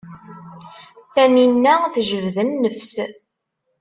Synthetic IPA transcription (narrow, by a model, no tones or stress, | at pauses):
θæninːæθʒəvðənːəfs